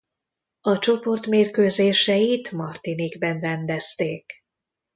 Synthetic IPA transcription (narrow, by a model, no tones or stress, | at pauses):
ɒt͡ʃo̞po̞rt̪meːrkøːzeːʃɛjit̪mɒrt̪iniɡbɛnrɛnd̪ɛst̪eːk